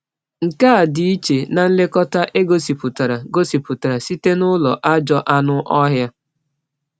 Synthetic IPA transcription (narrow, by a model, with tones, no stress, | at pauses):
ŋ̩˨ka˦˨di˨˦i˦t͡ʃe˨na˨n̩˦le˦kɔ˦ta˦ʔe˦ɡo˦si˨pʊ˨ta˨ɾa˨ɡo˦si˨pʊ˨ta˨ɾa˨si˦te˦nʊ˦lɔ̰˨ʔa˦d͡ʒɔ˦ʔa˦nʊ˦ʔɔ˦ɦja˦